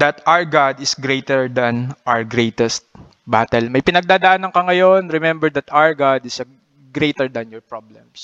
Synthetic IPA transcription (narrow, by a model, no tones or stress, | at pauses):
d̪ɐt̪aɹɡad̪ɪsɡɾejt̪ɛɹd̪ɐnʔawɹɡɾejt̪ɛst̪̚ | bat̪ɛlmɐjpɪnɐɡ̚d̪aːd̪aʔaːnɐŋkɐŋɐjo̞nɹɛmɛmbɛɹd̪ɐt̪awɹɡad̪ɪs | ɡɾejt̪ɛɹd̪ɐnjɔɹpɹɔblɛms